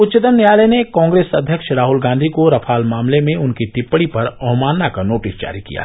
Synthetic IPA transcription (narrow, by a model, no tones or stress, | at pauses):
ʊt̪t͡ʃət̪ənːjjaːləjnekãːŋɡɾeːsɐd̪ʱjəkʃɾaːɦʊlɡãːnd̪ʱikoɾɐfʰaːlmaːmlemẽʊnkit̪ɪpːɽipɐɾɐɦmaːnːakanoːʈɪsd͡ʒa̰ːɾikḭja̰